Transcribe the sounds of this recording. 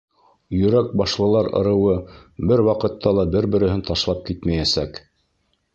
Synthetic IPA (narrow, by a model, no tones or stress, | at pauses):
jɵ̆ɾæk̚bɑʃlˠɤ̆lˠɑɾɤ̰̆ɾɤ̆wɤbɘɾwɑqɤ̆t̪ːɑlˠɑbɘɾbɘ̆ɾɘ̆ɦɘnt̪ɑʃlˠɑp̚kit̪mæjæsæk